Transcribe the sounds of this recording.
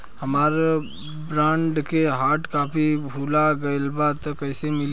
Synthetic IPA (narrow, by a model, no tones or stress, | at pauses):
həmaːɾ | bɾãːɳɖkeɦaːʈkaːpʰibʱuːlaɡəɪlbat̪ɔkəɪsemɪl